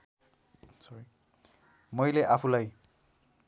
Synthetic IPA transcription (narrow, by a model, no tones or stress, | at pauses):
sɔɹi | mojlɛʔapʰulaj